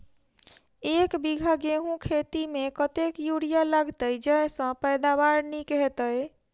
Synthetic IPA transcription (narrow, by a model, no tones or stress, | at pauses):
ekbiɡʱaɡeɦũkʰet̪imekət̪ekjuɽijalaɡt̪əjd͡ʒəjsə̃pəjd̪aβaɾnikɦet̪əj